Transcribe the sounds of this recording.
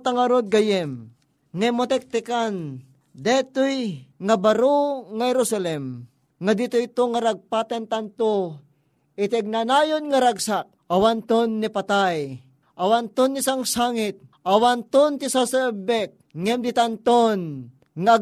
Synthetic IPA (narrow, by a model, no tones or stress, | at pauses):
t̪aŋaɾod̪̚ɡajɛm | ŋɛmot̪ɛk̚t̪ɪkan | d̪ɛt̪ujŋabaɾoŋahɛɾosalɛm | ŋad̪ɪt̪ʊjt̪oŋaɾaɡ̚pat̪ant̪ant̪o | ɪt̪ɪɡ̚nanaːjonŋaɾaɡsak̚ɐwant̪onːipat̪aj | ʔɐwant̪onːɪsaŋsaŋɪt̪̚ʔɐwant̪ont̪ɪsasɛbɛk̚ŋɛmd̪ɪt̪ant̪on | ŋaː